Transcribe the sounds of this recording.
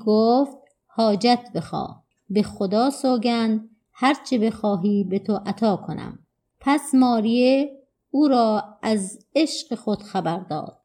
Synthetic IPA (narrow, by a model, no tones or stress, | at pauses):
ɡoːft̪̚ | hɒːd͡ʒæt̪ʰbe̞xɒ̰ː | bexod̪ɒːsoːɡænd̪ | hæɾt͡ʃʰebe̞xɒːɦiːbet̪ʰoʔæt̪ʰɒːkʰonæ̰m | pʰæsmɒːɾije | uːɾɒːæz | eʃqexod̪̥xæbæɾd̪ɒ̰ːd̪̥̚